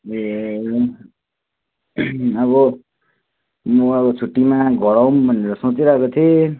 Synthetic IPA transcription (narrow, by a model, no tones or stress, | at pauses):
e | ʌβʌ | mmuʌbʌt͡sʰuʈːimaɡʱʌɽawmbʱʌneɾʌsot͡siɾʌkot̪ʰe